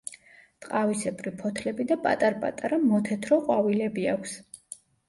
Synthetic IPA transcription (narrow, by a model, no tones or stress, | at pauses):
t̪ʼqʼavisɛbʼɾipʰɔt̪ʰlɛbid̪apʼa̰t̪ʼaɾpʼa̰t̪ʼaɾamɔt̪ʰɛt̪ʰɾɔqʼwavilɛbiakʷʰs